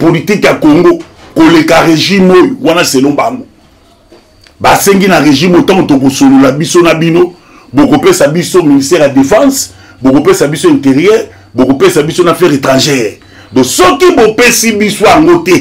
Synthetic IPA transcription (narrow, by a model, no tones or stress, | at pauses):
politikjakoŋɡokolekaʁeʒimojowanaselõŋbaŋɡo | baseŋɡinaʁeʒimotãŋɡotok̬osololabisonabino | bokopesabisoministɛʁjadefɑ̃s | bokopesabisoɛ̃nteʁiɛʁ | bokopesabisonafɛʁetʁɑ̃ʒɛʁ | dɔsɔkibopesibisojaŋɡotɛ